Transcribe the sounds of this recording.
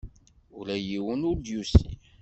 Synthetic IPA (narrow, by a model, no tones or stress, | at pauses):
ulæjiwənʊɾd̪jusḭ